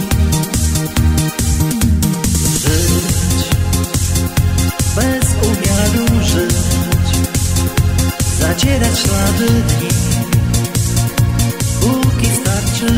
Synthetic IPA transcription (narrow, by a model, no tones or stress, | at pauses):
ʐɨt͡ɕ | bɛzuvʲjaɾuʐɨvʲt͡ɕ | zat͡ɕɛɾat͡ɕnad̪ɨd̪ɲi | bukʲist̪aɾt͡ʂɨ